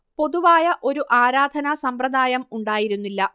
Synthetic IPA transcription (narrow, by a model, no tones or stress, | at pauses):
po̞ðuʋaːjɐʔo̞ɾuʔaːɾaːd̪ʱɐnɐsɐmpɾɐd̪ʱaːjɐmuɳɖaːjiɾunːilːɐ